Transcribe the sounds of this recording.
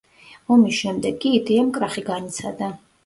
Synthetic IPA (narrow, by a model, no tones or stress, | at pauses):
ɔmisʃɛmd̪ɛɡːiːd̪iamkʼɾaχiɡanit̪sʰad̪a